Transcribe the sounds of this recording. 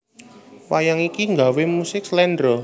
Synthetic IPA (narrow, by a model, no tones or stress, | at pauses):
wajaŋikiŋɡa̤wemusɪkslɛndɾɔ